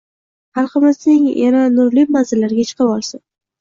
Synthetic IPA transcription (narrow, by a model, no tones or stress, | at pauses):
haɾχɑmasnɪŋjananʊɾlɪmanzɪlːaɾɪɡʲat͡ʃʰɨ̥qʰɑbɒlˠsɪn